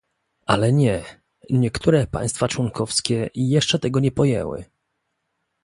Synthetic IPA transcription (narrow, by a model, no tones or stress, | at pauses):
a̰lɛɲɛ | ɲɛkt̪ʰuɾɛpa̰j̃st̪fat͡ʂwɔŋkʰɔfskʲɛijɛʂt͡ʂɛt̪ɛɡɔɲɛpɔjɛ̰wɘ̰